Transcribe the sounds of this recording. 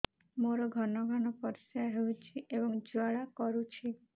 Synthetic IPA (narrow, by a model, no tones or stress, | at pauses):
moɾɔɡʱɔnɔɡʱɔnɔpɔɾsaɦewt͡ʃʰiʔebɔŋd͡ʒuaɭakɔɾut͡ʃʰi